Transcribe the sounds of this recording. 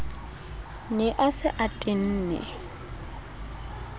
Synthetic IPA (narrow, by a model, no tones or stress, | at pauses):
nɪʔasɪʔatʼɪn̩ːnɛ̰